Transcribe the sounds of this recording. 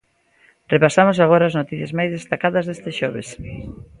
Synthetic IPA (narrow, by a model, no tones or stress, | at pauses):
repasamos̬aɣ̞oɾaːznot̪iθjɐzmajzðest̪akaðɐzðest̪eʃɔβes